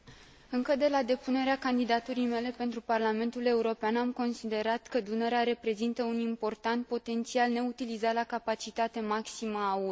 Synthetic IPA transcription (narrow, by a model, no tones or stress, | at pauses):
ɨŋkəd̪e̞lad̪e̞pune̞ɾeakand̪id̪at̪uɾijme̞le̞pe̞nt̪ɾuparlame̞nt̪ule̞uɾo̞peanamko̞nsid̪e̞ɾat̪kəd̪uneɾeaɾe̞pɾe̞zint̪əunimpo̞rt̪ant̪̚po̞t̪e̞nt̪sialne̞ut̪ilizalakapat͡ʃit̪at̪e̞maksiməːu